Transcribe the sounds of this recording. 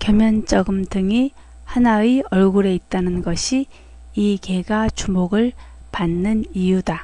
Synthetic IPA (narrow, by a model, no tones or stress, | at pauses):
kjʌmjʌnt͡ɕ͈ʌɡɯmdɯŋi | hanaiʌɭɡuɾe̞it̚t͈anɯnɡʌɕʰiː | ke̞ɡat͡ɕumoɡɯɭ | panːɯnijuda